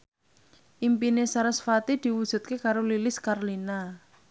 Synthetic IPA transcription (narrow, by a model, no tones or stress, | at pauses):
ʔimpinesaɾəsfat̪id̪̥i̤wud̥ʒ̥ṳt̪̚kekaɾolilɪskarlina